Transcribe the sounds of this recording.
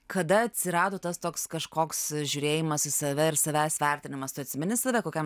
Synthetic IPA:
kʰɐd̪ɐɐt̪ʲsʲɪɾɑːd̪oːt̪ɐst̪oːkskɐʃkoːksʒʲuːɾʲeːjɪmɐsɪsɐʋʲɛɪɾsɐʋʲæːsʋʲɛɾʲt̪ʲɪnʲɪmɐst̪ʊɐt̪ʲsʲɪmʲɪnʲɪsɐʋʲɛkoːkʲɛm

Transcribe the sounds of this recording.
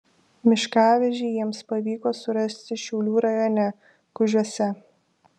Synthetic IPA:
mʲɪʃkɑːʋʲɛʒʲɪjiɛmspɐʋʲiːkoːsʊɾɐsʲt̪ʲɪʃʲɛʊlʲuːɾɐjoːnʲɛ | kʊʒʲuɔsʲɛ

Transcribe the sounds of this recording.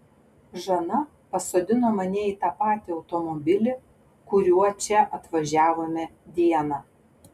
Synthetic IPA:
ʒɐnɐ | pɐsoːd̪ʲɪnoːmɐnʲɛiːt̪ɑːpɑːt̪ʲɪɒʊt̪ɔmɔbʲɪlʲɪ | kʊɾʲuɔt͡ʃʲɛʔɐt̪ʋɐʒʲæːʋomʲɛd̪ʲiɛnɑː

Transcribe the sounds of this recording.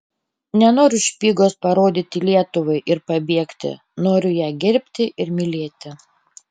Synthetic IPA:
nʲɛnoːɾʲʊʃʲpʲiːɡoːspɐɾoːd̪ʲɪt̪ʲɪlʲiɛt̪ʊʋɐɪʔɪɾpɐbʲiɛkt̪ʲɪ̰ | noːɾʲʊjæːɡʲɪɾʲpʲt̪ʲɪʔɪɾmʲɪlʲeːt̪ʲɪ

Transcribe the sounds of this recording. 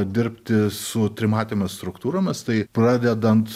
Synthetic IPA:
d̪ʲɪɾʲpʲt̪ʲɪsʊt̪ʲɾʲɪmɑːt̪ʲemʲɪsst̪ɾʊkt̪uːɾoːmʲɪst̪ɐɪpɾɑːd̪ʲɛd̪ɐnt̪

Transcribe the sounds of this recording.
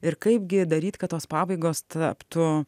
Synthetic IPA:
ɪɾkɐɪpɡʲɪd̪ɐɾʲiːt̪kɐt̪tːoːspɑːbɐɪɡoːst̪ɐpt̪ʊ

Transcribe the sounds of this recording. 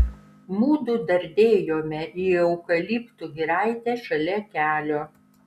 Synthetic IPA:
muːd̪ʊd̪ɐɾʲd̪ʲeːjoːmʲɛʔiːɐʊkɐlʲipt̪uɡʲɪɾɑɪt̪ʲɛʃɐlʲɛkʲæːlʲoː

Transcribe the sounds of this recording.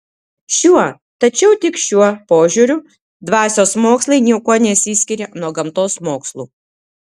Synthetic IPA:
ʃʲuɔ | t̪ɐt͡ʃʲɛʊt̪ʲɪkʃʲuɔpoːʒʲuːɾʲʊ | d̪ʋɑːsʲoːsmoːkslˠɐɪnʲiɛkuɔnʲɛsʲisʲkʲɪɾʲɛnuɔɡɐmt̪oːsmoːkslˠṵː

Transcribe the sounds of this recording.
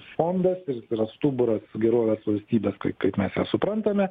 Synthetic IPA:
foːnd̪ɐsɪɾt̪ɪɾɐst̪uːbʊɾɐsɡʲɛɾoːʋʲeːsʋɐlʲsʲt̪ʲiːbʲeːskɐɪkɐɪpmʲɛsjɛsʊpɾɐnt̪ɐmʲɛ

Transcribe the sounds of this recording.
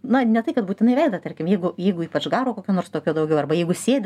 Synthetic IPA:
nɐnʲɛt̪ɐɪkɐt̪buːt̪ʲɪnɐɪʋʲɛɪd̪ɐt̪ɐrʲkʲɪmjɛɪɡʊjɛɪɡʊiːpɐt͡ʃɡɑːɾoːkoːkʲuːnoːrst̪oːkʲuːd̪ɐʊɡʲɛʊɐrbɐjɛɪɡʊsʲeːd̪ʲ

